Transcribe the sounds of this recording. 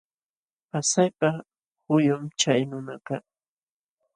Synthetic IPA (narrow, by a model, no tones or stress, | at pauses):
pasajpa | hʊjʊmt͡ʃajnʊnakɑ